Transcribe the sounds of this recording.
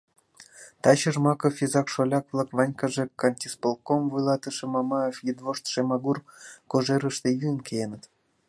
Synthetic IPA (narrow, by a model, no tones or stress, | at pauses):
t̪ɑɕəʒmɑkɤfʲizɑkʃolʲɑkvlˠɑkvɑnʲkɑʒĕkɑnʲt̪ʲispolˠkomvujlˠɑt̪əʃɤ̆mɑmɑefjid̪voʃt̪ʃemɑɡurkoʒeɾə̆ʃt̪ejynkʲejenə̆t̪